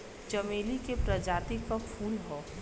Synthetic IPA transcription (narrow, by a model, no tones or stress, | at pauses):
d͡ʒɐmeːlikepɾɐd͡ʒaːt̪ikkɐfʰuːlɦoː